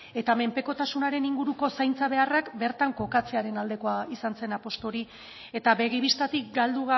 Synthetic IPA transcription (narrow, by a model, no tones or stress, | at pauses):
e̞t̪ame̞mpe̞ko̞t̪asunaɾe̞niŋɡuɾuko̞sajnt͡saβe̞arakbe̞ɾt̪aŋko̞kat͡se̞aɾe̞nald̪e̞ko̞aisanse̞napo̞st̪o̞ɾi | e̞t̪aβe̞ɣiβist̪at̪ik̚ɡald̪uɣa